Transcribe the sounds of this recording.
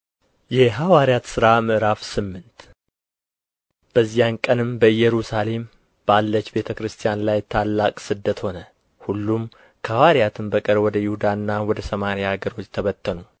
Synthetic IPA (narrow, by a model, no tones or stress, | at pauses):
jɛɦawaɾjat̪sɨɾamɨʔɨɾafsɨmːɨnt̪ | b̥əzːijankʼənɨmbəɨjːɛɾusale̞m | b̥alːət͡ʃːbe̞t̪ʰəkɾɨst̪ʰʼijanlajt̪ʰalːakʼsɨd̪ːət̪ho̞nə | hulːum | kʰəawaɾijat̪ʰɨmbəkʼəɾwɔd̪əjɪhud̪aɨnːawɔd̪əsəmaɾjaaɡəɾo̞t͡ʃːt̪ʰəβət̪ʰːənu